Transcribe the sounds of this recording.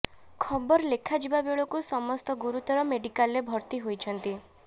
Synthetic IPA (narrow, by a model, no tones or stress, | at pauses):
kʰɔbɔɾɔlekʰad͡ʒibabeɭɔkusɔmɔst̪ɔɡuɾut̪ɔɾɔmeɖikalebʱɔɾt̪iɦojt͡ʃʰɔnt̪i